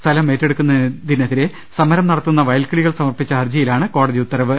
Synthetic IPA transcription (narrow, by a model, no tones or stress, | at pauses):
st̪ʰɐlɐme̞ːtːe̞ɽukːunːɐðineðiɾe | sɐmɐɾɐmnɐɽɐt̪ːunːɐʋɐjɐlkɐɭiɣɐɭsɐmɐrpit͡ɕːɐɐrd͡ʑijilaːɳɨko̞ːɽɐðiut̪ːɐɾɐʋɨ